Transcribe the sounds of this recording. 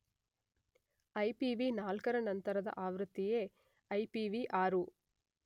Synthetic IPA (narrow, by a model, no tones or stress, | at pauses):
ɐjpiʋinaːlkɐɾɐnɐnt̪ɐɾɐd̪ɐ̰ʔaːʋɾut̪ːijeː | ɐjpiʋiʔaːɾu